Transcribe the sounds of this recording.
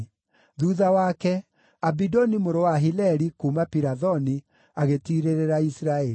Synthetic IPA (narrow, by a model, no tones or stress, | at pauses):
ðuðawakɛ | abidɔnimoɾowaɦilɛɾikuːmapiɾaðɔni | aɣetiɾeɾeɾaisɾaɛ